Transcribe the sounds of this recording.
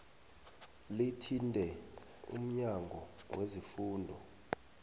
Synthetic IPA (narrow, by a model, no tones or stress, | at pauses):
litʰindʱɛ | ṵm̩ɲaŋɡʱɔwʔezifuːndʱɔ